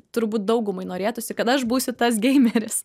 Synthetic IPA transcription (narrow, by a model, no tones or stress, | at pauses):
t̪ʊɾbuːt̪̚d̪ɐʊɡʊmɐɪnoːɾʲeːt̪ʊsʲɪkɐt̪ɐʃbuːsʲʊt̪ɐs̬ɡʲɛɪmʲɛɾʲɪs